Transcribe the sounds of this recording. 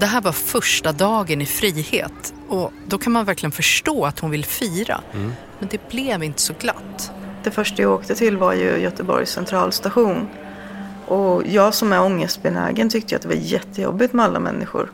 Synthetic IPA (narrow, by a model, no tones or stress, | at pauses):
d̪̥ɛɦæːɾvaɾfœʂʈad̪ɑːɡənɪfɾiːhḛːt̪ | ɔd̪ɔkʰanmanvæɾklɪɡənfœʂʈoːat̪hʊnvɪlfiːɾa̰ | mɛnd̪ɛblɛvɪnt̪ə̥sɔɡla̰t̪ːd̪̥ɛfœʂʈajaoːkt̪ət̪ʰɪlːvaɾjɵ̰jœt̪əbɔ̰ɾjssɛnt̪ʰɾɑːlst̪aɧuːn | ʔɔjɑːɡsɔmɛɔŋːəst̪̚bɛnæ̰ːɡənt̪ʰʏkt̪əjʊa̰t̪d̪ɛva̰ɾjɛt̪ʰːəjɔ̰bːɪt̪mɛalːa̰mɛ̰nːʔɪ̰ɧʊ̰ɾ